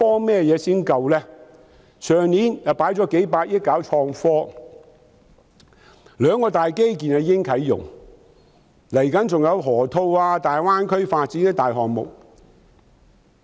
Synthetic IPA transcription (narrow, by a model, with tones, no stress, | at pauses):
pɔː˥mɛː˥˩jɛː˨˧siː˥nkɐ˧wlɛː˥ | sœː˨ŋniː˨˥njɐ˨˩wpaː˨˥jt͡sɔː˨˥ke˨˥jpaː˧k̚jɪ˥t̚ka˨˥wt͡ʃʰɔː˧ŋfɔː˥ | lœː˨˧ŋkɔː˧t̪aː˨jke˥jk̬iː˨na˧jɪ˥ŋkʰɐ˨˥jjʊ̰˨˩ŋ | lɐ˨˩jkɐ˨˥nt͡sʊ˨ŋjɐ˨˧wɦɔː˨˩t̪ʰo˧waː˧t̪aː˨jwaː˥nkʰɵ˥ɥfaː˧t̚t͡siː˨˥nɛ˥t̪aː˨jɦɔː˨˩k̚mʊ̰˨k̚